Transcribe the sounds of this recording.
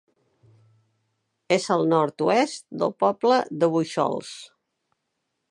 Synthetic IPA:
ezəlˠnɔɾt̪uɛst̪d̪ə̰lˠpɔbləðəβujʃɔ̰lˠs

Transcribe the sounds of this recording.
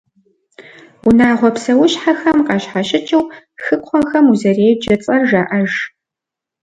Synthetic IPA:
unaːʁʷɔpsɐwʊɕħaxɐmqɑɕħaɕʼɪt͡ʃʰʼɐw | xɨkʷʰɔxɐmuzɐreːjd͡ʒɐt͡sʼɐrʒaːʔɐʒ

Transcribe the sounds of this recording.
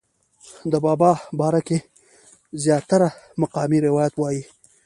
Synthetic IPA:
d̪əbɑbɑbɑɾake | zjɑt̪aɾamaqɑmiɾɪwɑjat̪wɑji

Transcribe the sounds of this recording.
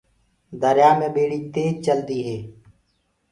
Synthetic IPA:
d̪əɾjaːmẽːɓeːɽiːt̪eːd͡ʒt͡ʃəld̪iːɦeː

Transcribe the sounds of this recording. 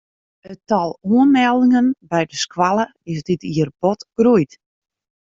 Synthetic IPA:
ətɔlˠuənmɛlˠdɪŋənbɛjdəskwalˠəɪsdɪtiərbɔtɡ̥rujt

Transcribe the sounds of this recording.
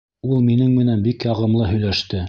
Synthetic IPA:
ulˠminɘŋmɘ̆nænbikjɑʁɤ̆mlˠɤɦɵ̆jlæʃt̪ɘ

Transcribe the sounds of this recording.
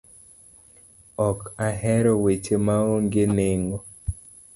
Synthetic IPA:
ɔkaɦɛɾɔwet͡ʃemaoŋɡɪneŋɔ

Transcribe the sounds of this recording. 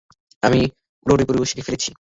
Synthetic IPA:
ami | pɾoɾipoɾibeʃid̪ifeɾet͡ɕʰi

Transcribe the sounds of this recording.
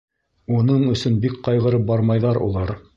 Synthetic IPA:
unɤɴɵ̆sɵnbikqɑjʁɤ̆ɾɤp̚bɑɾmɑjðɑɾṵlˠɑɾ

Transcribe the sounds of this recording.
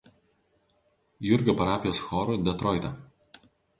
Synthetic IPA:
jʊɾʲˑɡʲoːpɐɾaːpʲɪjoːsxɔːɾuˑd̪ʲɛt̪ɾɔɪt̪ʲɐ

